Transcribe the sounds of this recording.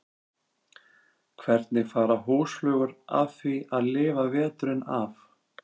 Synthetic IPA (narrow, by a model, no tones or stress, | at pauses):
kʰvɛɾt̪nɪfaːɾaɦuːslœːɣʏɾa̰vviaðlɪːvavɛːt̪ʏɾɪnaf